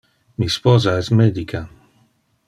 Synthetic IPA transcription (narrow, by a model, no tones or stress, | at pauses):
mispɔzaɛsmɛd̪ikʰa